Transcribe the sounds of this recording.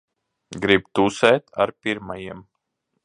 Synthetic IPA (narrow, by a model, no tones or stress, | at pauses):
ɡɾib̚t̪usɛːt̪a̰ɾpʲiɾmajiɛm